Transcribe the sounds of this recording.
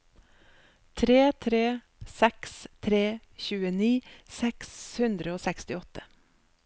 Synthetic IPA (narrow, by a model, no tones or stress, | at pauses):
t̪ʰɾeːt̪ʰɾeː | sɛkst̪ʰɾeː | çʉːəniːsɛkshʉnd̪ɾəoːsɛkst̪ɪɔt̪ə